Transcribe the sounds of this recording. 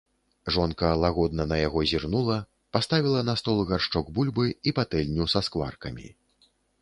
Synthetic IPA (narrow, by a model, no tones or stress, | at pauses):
ʐɔnkɐːlˠaɣɔd̪̚nɐnɐjaɣɔzʲirnulˠɐ | past̪avʲilˠɐnast̪ɔlˠɣarʂt͡ʂɔɡbulʲbɨipat̪ɛlʲnʲusaskva̰rkɐmʲḭ